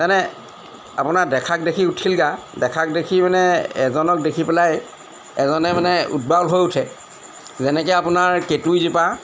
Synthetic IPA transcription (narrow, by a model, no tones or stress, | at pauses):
zanɛ | apʊnadɛkʰak̚dekʰiutʰilɡadɛkʰak̚dekʰimanɛɛzɔnɔk̚dekʰipɛlaj | ɛzɔnɛmanɛṵd̚balɦojʊtʰɛ | zɛnɛk̬ɛapʊnaɹketujzipa